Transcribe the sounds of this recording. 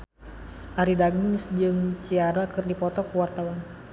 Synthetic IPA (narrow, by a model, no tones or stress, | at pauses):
saɾidaɡuŋsd͡ʒɨŋt͡ʃiaɾakɨrdipɔt̪ɔkəwart̪awan